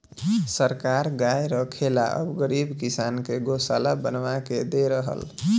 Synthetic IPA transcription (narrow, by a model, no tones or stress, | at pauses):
səɾkaɾɡajɾəkʰela̰ʔə̰bɡəɾibkisankeɡosalabənʋaked̪eɾəɦə̰l